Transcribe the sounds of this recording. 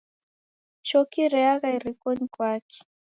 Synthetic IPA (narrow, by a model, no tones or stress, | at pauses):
t͡ʃɔkiɾɛaɣaiɾikɔnikwaki̥